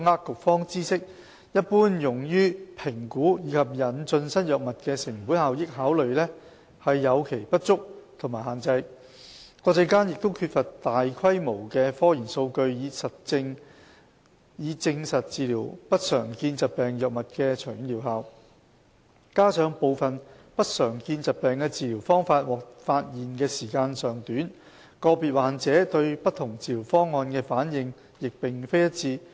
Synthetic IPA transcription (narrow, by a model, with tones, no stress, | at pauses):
ŋaː˥kkʊ˨k̚fɔː˥ŋt͡siː˥sɪ˥k̚ | jɐ˥t̚puː˥njʊ˨˩ŋjyː˥pʰɪ˨˩ŋkuː˨˥jiː˨˧kʰɐ˨p̚jɐ˨˩nt͡ʃɵ˧nsɐ˥n̚jœː˨k̚mɐ˨t̚kɛː˧sɪ˨˩ŋpu˨˥nhaː˨wjɪ˥k̚haː˨˥wlɵ˨ɥlɛ˥ | hɐ˨jːɐ˨˧wkʰe˨˩jpɐ˥t̚t͡sʊ˥k̚t̪ʰʊ˨˩maː˨˩jɦaː˨˩nt͡sɐ˧j | kɔː˧t͡sɐ˧jkaː˥njɪ˨k̚t̪o˥wkʰyː˧t̚fɐ˨tt̪aː˨jkʰɐ˥jmo˨˩wkɛː˧fɔː˥jiː˨˩nso˧wkɵ˧ɥjiː˨˧sɐ˨t̚ːɪ˧ŋ | jiː˨˧t͡sɪ˧ŋsɐ˨t̚t͡siː˨liː˨˩wpɐ˥t̚sœː˨˩ŋkiː˧nt͡sɐ˨t̚pɛː˨ŋjœ˨˩k̚mɐ˨t̚kɛː˧t͡ʃʰœː˨˩jy˨˥nliː˨˩wɦaː˨w | kaː˥sœː˨˧˥ŋpo˨˧wfɐ˨n | pɐ˥t̚sœː˨˩ŋkiː˧nt͡sɐ˨t̚pɛː˨ŋkɛː˧t͡siː˨˧liː˨˩wfɔː˥ŋfaː˧t̚wɔː˨˩k̚faː˧t̚jiː˨˩nkɛː˧siː˨˩kaː˧nsœː˨ŋt̪yː˨˥n | kɔː˧piː˨t̚waː˨nt͡sɛː˨˥t̪ɵ˧ɥpɐ˥t̚t̪ʰʊ˨˩ŋt͡siː˨liː˨˩wfɔː˥ŋːɔː˧nkɛː˧faː˨˥njɪ˨ŋ | jɪ˨k̚pɪ˨ŋfe˥jɐ˥t̚t͡siː˧